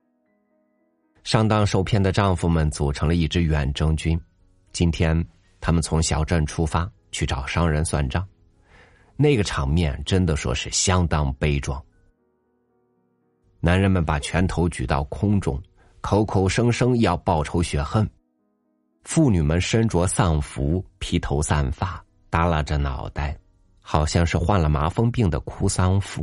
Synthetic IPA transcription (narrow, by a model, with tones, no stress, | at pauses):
ʂɑ˥ŋt̪ɑ˥ŋʂo˥˧ʊpʰjɛ˥˩nd̪ə˩ʈ͡ʂɑ˥˧ŋfu˥˩mə˨nt͡su˨˩ʈ͡ʂʰɤ˧˥ŋlə˧i˥˩ʈ͡ʂɻ̩˥ɥɛ˨˩nʈ͡ʂɤ˥ŋt͡ɕy˥n | t͡ɕi˥nt̪ʰjɛ˥n | t̪ʰa˥mə˨nt͡sʰʊ˧˥ŋɕjɑ˨˩ʊʈ͡ʂə˥˩nʈ͡ʂʰu˥fa˥ | t͡ɕʰy˥˩ʈ͡ʂɑ˨˩ʊʂɑ˥ŋɻə˧˥nswa̰˥˧nʈ͡ʂɑ˥˩ŋ | ne˥˩ɪɡə˩ʈ͡ʂʰɑ˨˩ŋmjɛ̰˥˩nʈ͡ʂə˥nd̪ə˨ʂwɔ̰˥ʂɻ̩˥˩ɕjɑ˥ŋt̪ɑ˥ŋpe˥ɪʈ͡ʂwɑ̰˥˩ŋ | na˧˥nɻə˧˥nmə˧npa˨˩t͡ɕʰɥɛ˧˥nt̪ʰo˧˥ʊt͡ɕy˨˩t̪ɑ̰˥˩ʊkʰʊ˥ŋʈ͡ʂʊ̰˥˩ŋ | kʰo˧˥ʊkʰo˨˩ʊʂɤ˥ŋʂɤ˥ŋ˥jɑ˥˧ʊpɑ˥˩ʊʈ͡ʂʰo˧˥ʊɕɥɛ˧˥xə˥n | fu˥˩ny˨˩mə˦nʂə˥nʈ͡ʂwɔ˧˥sɑ˥˩ŋfu˧˥pʰi˧˥t̪ʰo˧˥ʊsa˥˧nfa˥˩ | t̪a˥la˥˩ʈ͡ʂə˩nɑ̰˨˩ʊt̪a˥˩ɪ | xɑ˨˩ʊɕjɑ˥˧ŋʂɻ̩˥˧xwa˥˩nlə˩ma˧˥fɤ˥ŋpi˥˩ŋd̪ə̰˩kʰu˥sa˥nfu˥˩